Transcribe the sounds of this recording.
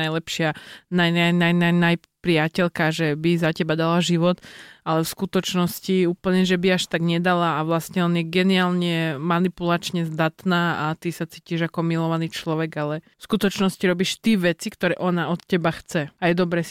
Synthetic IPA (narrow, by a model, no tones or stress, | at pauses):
ajlɛpʃɪanajajnajnajnaj | pɾɪacɛlkaʒɛbizacɛbad̪alaʒiʋɔt̪alɛfskut̪ɔt͡ʃnɔsciuːpl̩ɲɛʒɛbiaʃt̪aɡɲɛd̪alaːʋlasɲɛɔnjɛɡɛniaːlɲɛmanipulat͡ʃɲɛzd̪at̪naːat̪isat͡siːciʒakɔmilɔʋanit͡ʃlɔʋɛɡalɛfskut̪ɔt͡ʃnɔsciɾɔbiʃt̪iʋɛt͡sikt̪ɔɾɛːʔɔnaɔt̪cɛbaxt͡sɛajɛd̪ɔbɾɛ